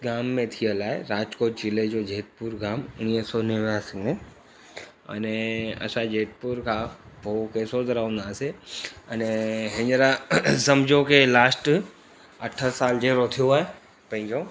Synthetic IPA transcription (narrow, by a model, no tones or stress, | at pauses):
ɡaːmːẽt̪ʰijəlaːɦeɾaːd͡ʒkoːʈ̚t͡ʃɪled͡ʑoːd͡ʑeːt̪̚puɾɡaːmʊniːɦsɔːneʋjasɡne | ɐ̰nɛɐ̰sãd͡ʑeːt̪̚puɾkʰãː | okeːsot̪ɐɾɐɦũːnd̪aːseɐnɛɦɪ̃ɲɾasɐmd͡ʑʱõkʰelaːsʈ | ɐʈʰəsaːld͡ʑeɦɾot̪ʰijoaːɦe | pɐ̃ɦɪ̃ɲd͡ʑo